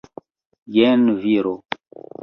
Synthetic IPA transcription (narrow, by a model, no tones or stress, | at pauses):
jɛnviɾo